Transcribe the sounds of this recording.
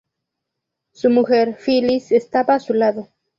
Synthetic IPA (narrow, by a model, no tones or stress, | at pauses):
sumuxeɾfilisest̪aβaːsulaðo